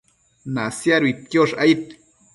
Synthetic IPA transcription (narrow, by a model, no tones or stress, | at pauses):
nasjaɾit̪̚kjoʂajit̪